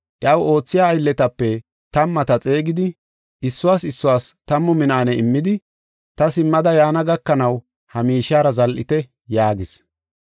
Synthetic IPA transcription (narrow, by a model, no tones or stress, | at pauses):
ʔɪʔɐwo̞ːt͡sːɪjaːjlːɛt̪ɐpːɛ | t̪ɐmːɐt̪ɐt͡sʼe̞ːɡɪd̪ɪ | ɪsːʊwaːsɪsːʊwaːst̪ɐmːɔmɪnaːnɛɪmːɪd̪ɪ | t̪ɐsɪmːɐd̪ɐjaːnɐɡɐkːɐnɐw | hɐmiːʃaːɾɐzɐlʔɪ̰t̪ɛ | jaːɡɪs